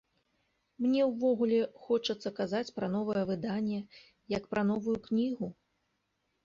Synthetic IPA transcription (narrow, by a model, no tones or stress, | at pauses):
mnʲɛwvɔɣulʲɛxɔt͡ʂɐt̪sːɐkazat͡sʲpɾɐnɔvɐjɛvɨd̪anʲːɛ | jɐkpɾʔɐn̪ɔvujuknʲiɣu